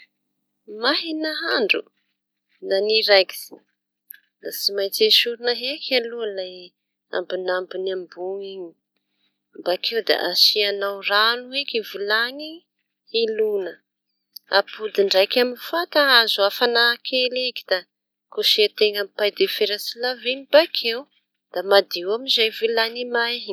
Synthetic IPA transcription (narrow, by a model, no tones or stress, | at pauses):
maɦinaɦaɳɖ͡ʐṵ | naniɾajɡi̥z̥i | nasimajt͡seʃuɾinəɦekʲʰaluəlaj | a̰mbinambinambuŋiɲi | mbakʰewd̪a̰ʔasianawranuekivulaŋi | hilunə | apud̪iɳɖ͡ʐajkʲaminifat̪aazuafanakʰeleki̥d̪̥a | kuʃeat̪eŋampajd̪efeɾasilavinibakʰew | d̪̥amad̪ewamizajvilanimajɦi